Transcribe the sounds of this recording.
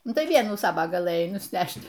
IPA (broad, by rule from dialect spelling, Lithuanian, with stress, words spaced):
ˈnʊ tɐɪ ˈʋʲiɛnuː ˈsɑːʋɐ ɡɐˈlˠɘjɛɪ nʊsʲˈnʲæʃt